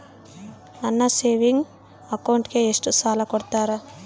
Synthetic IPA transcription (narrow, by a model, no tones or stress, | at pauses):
ɐnːɐseːʋiŋɡ | ɐkɐwɳʈkeesʈusaːlɐkɔɽt̪aːɾa